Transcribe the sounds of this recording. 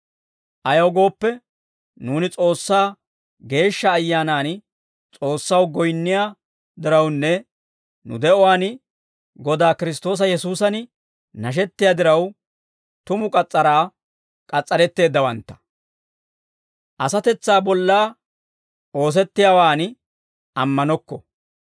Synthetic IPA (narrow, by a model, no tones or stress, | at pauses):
ʔɐjɐwɡo̞ːpːɛ | nuːnɪt͡sʼo̞ːsːaː | ɡe̞ːʃːɐːjːaːnaːn | t͡sʼo̞ːsːɐwɡɔjnːɪjaː | d̪ɪɾɐwnːɛ | nʊ̰d̪ɛɔwaːn | ɡɔd̪aːkɪɾɪst̪o̞ːs̬ɐjɛsuːsɐn | nɐʃ̬ɛt̪ːɪjaːd̪ɪɾɐw | t̪ʊmʊkʼɐt͡sʼːɐɾaː | kʼɐt͡sʼːɐɾɛt̪ːe̞ːd̪ːɐwɐnt̪ːɐ̥ | ʔɐsɐt̪ɛt͡sːaːbɔlːaː | o̞ːs̬ɛt̪ːɪjaːwaːn | ʔɐmːɐnɔkːɔ